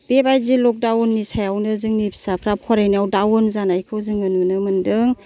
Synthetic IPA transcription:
b̥ebajzilɔk̚dawnːisajawnɯzɯŋnib̥ʰsapʰɾapʰɔɾajniawdawɯnzanajkʰɯwzɯŋɯnɯnɯmɯndɯŋ

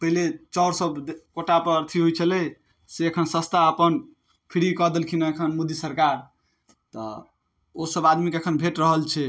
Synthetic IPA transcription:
pəɦilet͡ʃɔʊɾsəb̪koʈapəɾəɾt̪ʰiɦojt͡ʃʰəlɛ | seəkʰənsə̃st̪aəpən | pʰiɾikəd̪elkʰinəekʰənmud̪isəɾkaɾ | t̪ɔ̰ | osəbad̪mikekʰənbʱeʈɾəɦəlt͡ʃʰɛ

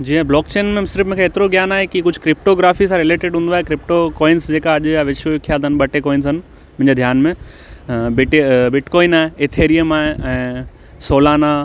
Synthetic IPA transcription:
d͡ʑiːɦɛ̃blɔːkt͡ɕeːnmẽsɪɾfmʊ̃ɦkʰeːt̪ɪɾoɡjaːnaːɦekikʊd͡ʑʱkɾɪp̚ʈoɡɾaːfisãɾɪleːʈeɖɦũːn̆d̪aːɦekɾɪp̚ʈokɔːɪnsd͡ʑeːkaɐʄjaʋɪʃokʰjaːd̪ənɓɐʈekoːɪns̬ɐn̆ | mʊ̃ɦɪ̃ɲd͡ʑed̪ʱjaːnmẽ | bɪʈbɪʈkɔːinaːɦẽet̪ʰeːɾijəmaːɦẽɛ̃ː | soːlaːna

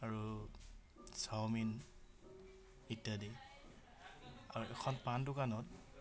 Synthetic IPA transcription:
aɹu | sawmin | itːade | a̰ɹuɛkʰɔnpandukanɔt̚

